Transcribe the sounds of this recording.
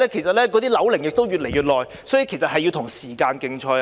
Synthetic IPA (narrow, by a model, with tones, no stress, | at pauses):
ɛː˥kʰe˨˩jsɐ˨t̚lɛː˥k̬ɔː˨˥t̪iː˥lɐ˨˥wlɪ˨˩ŋjɪ˨k̚t̪o˥wjyː˨t̚le˨˩jɥyː˨˩t̚lɔː˨j | sɔː˨˥ji˨˧kʰe˨˩jsɐ˨t̚hɐ˨jːi˧wt̪ʰʊ˨˩ŋsiː˨˩kaː˧nkɪ˧ŋt͡ʃʰɔː˧j